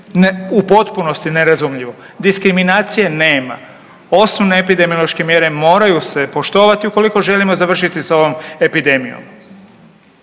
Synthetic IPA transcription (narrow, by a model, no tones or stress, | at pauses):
nupo̞t̪puno̞st̪ine̞ɾazumʎiʋo̞ | d̪iskɾiminaːt̪sijene̞ːma̰ | o̞snoʋne̞ːpid̪e̞miolˠoʃke̞mje̞ɾe̞mo̞ːɾajuse̞po̞ʃt̪o̞ːʋat̪iuko̞liko̞ʒe̞limo̞zaʋr̩ʃit̪isao̞ʋo̞me̞pid̪e̞mijo̰m